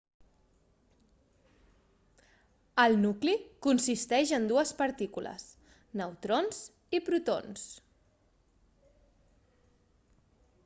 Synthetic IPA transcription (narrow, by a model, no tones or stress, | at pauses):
əlˠnuklikunsist̪ɛʒənd̪uəspəɾt̪ikulə̰s | nəwt̪ɾonz | ipɾut̪o̰ns